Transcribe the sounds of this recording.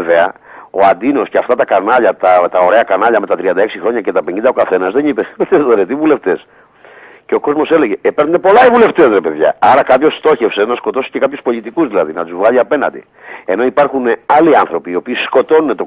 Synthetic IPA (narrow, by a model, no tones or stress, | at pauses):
veɐ | o̞̰ɐnd̪ino̞sceɐft̪ɐt̪ɐkɐnɐʎɐt̪ɐt̪ɐo̞ɾe̞ɐkɐnɐʎɐme̞t̪ɐt̪ɾiɐnd̪ɐe̞ksixɾo̞ɲɐce̞t̪ɐpeɲind̪ɐokɐθe̞nɐzðe̞nipesmet̪eðoɾet̪ivule̞ft̪e̞s | ceo̞ko̞zmo̞se̞leʝe̞penunepo̞lɐivule̞ft̪e̞sɾepeðʝɐ̰ɐɾɐkɐpço̞sːt̪o̞çe̞fse̞nɐsko̞t̪o̞si̥ce̞kɐpçuspo̞ʎit̪ikuzðilɐðinɐt̪uzvɣɐʎiɐpe̞nɐ̰nd̪ḭ | eno̞ipɐɾxuneɐliɐnθɾo̞piːo̞piːsko̞t̪o̞nunet̪o